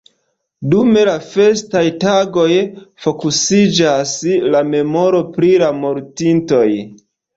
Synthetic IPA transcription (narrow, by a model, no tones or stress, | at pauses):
dume̞lafe̞stajtaɡo̞jfo̞kusid͡ʒaslame̞mo̞ɾo̞pɾiɾamo̞ɾtinto̞j